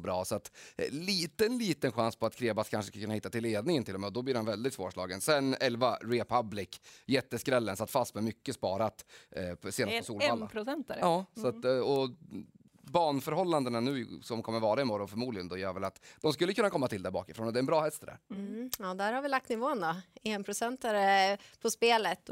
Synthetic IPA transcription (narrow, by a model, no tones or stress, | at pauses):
bɾɑːsɔat̪liːt̪ənliːt̪ənɧanspʰɔat̪kʰɾeːbaskʰanʂə̥skakʰɵnːahɪt̪ːat̪ʰɪlːeːd̪nɪŋənʰɪlːɔmɛːɔd̪ɔbliːɾhanvɛld̪ɪt̪svoːʂɭɑ̰ːɡənsɛnɛlvaɾɛpʰablɪkjɛt̪ːəskɾɛlːənsat̪ːfast̪mɛmʏkːəspɑːɾat̪seːnatpɔsuːlalːapʰɾʊsɛnt̪ɛɾɑːssat̪ɔ | bɑːɳfœɾɦɔlːand̪ənanʉ̟ːsɔmkʰɔmːəɾvɑːɾaɪmɔɾɔnfœɾmuːd̪lɪɡənd̪ɔjœːɾvɛlat̪d̪̥ɔms̬kɵlːəkʰɵnːakʰɔmːat̪ʰɪld̪æɾbɑ̰ːkɪfɾoːnɔd̪ɛɾɛnbɾɑːhɛst̪d̪æ̰ɾɑːd̪æɾhaɾvɪlak̚t̪nɪvoːənd̪ɔeːnpʰɾʊsɛnt̪aɾəpʰɔspeːlət̪